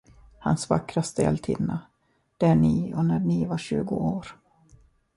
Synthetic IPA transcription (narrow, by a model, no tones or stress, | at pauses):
ha̰nsva̰kɾast̪əɛ̰lt̪ʰɪ̰nːa | d̪̥æɳiːɔnæɳivaɕʉ̟̰ːɡʊ̰oːɾ